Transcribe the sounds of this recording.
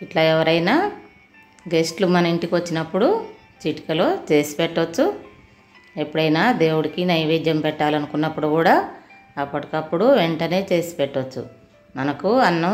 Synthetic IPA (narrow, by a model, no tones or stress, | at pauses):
iʈlaːɛʋɐɾɐjnaː | ɡe̞sʈlumɐnɐiɳʈikʋɐt͡ʃːinɐpːuɽu | t͡ʃiʈi̥kɐlo̞ːt͡ʃe̞ːsi̥pɛʈːot͡ʃːu | e̞pːuɽɐjnaːd̪e̞ːwuɽikinɐjʋeːd͡ʒjɐmpɛʈːaːlɐnukunːɐpːuɽukuːɽaː | ɐpːɐʈikɐpːuɽuʋeɳʈɐne̞ːt͡ʃe̞ːsi̥peʈːot͡ʃːṵ | mɐnɐkuɐnːɐ